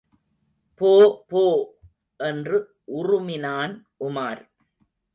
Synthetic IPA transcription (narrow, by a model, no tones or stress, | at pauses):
poːpoː | ʔɛndrɯ | ʔʊrʊmɪnaːn | ʔʊmaːɾ